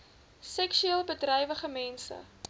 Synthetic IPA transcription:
sɛkʃyeːlˠbədrɛjvəχəmɛnsə̰

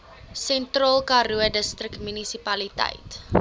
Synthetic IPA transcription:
sɛntrɑːlˠkɐɾuədəstrəkmynisipɐlitɛ̰jt

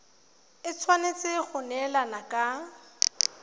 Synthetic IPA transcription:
ɪt͡sʰwanet͡sʼɪχʊnɛlanakʼa

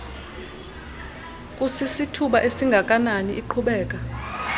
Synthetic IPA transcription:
kʼusisitʰuɓaʔesiŋɡʱak̬ʼananiʔiǃʰuɓɛːk̬ʼa

